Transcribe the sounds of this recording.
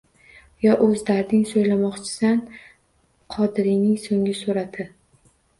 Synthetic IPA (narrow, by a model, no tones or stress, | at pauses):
jɒʔɵzd̪aɾnɪŋsojlamɒqt͡ʃʰɪ̥san | qʰɒd̪ɪɾɪnɪŋsoŋɪsoɾad̪ɪ